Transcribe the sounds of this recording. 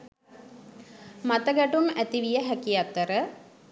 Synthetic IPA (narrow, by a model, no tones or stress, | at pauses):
mat̪əɡæʈumæt̪iʋijəɦækiat̪ːəɾə